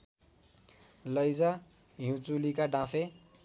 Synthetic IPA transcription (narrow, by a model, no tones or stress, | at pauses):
lʌjd͡za | jũt͡sulikaɖãpʰe